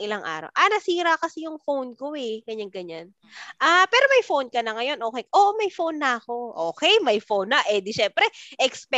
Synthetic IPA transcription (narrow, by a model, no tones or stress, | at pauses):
ʔɪlaŋʔa̰ːɾɐ̰wʔɐnɐsiːɾɐkɐsɛjʊŋfownkoɛɡɐɲaŋɡɐɲan | ʔaːpɛːɾo̞mɐjfownkɐnɐŋɐjo̞nʔo̞ːkɛjʔoʔmɐjfownːɐʔɐko̞ʔoːkɛjmɐjfownːɐʔɛd̪ɪʃɛmpɾɛʔɛkspɛ